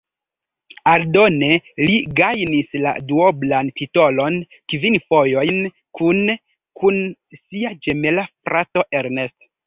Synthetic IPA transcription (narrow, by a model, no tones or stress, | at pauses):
aldo̞ne̞liɡajnisla̰duoblanpito̞lo̞n | kvinfojo̞jn | kun | kʰunsiad͡ʒemelafɾʔato̞ʔe̞ɾne̞st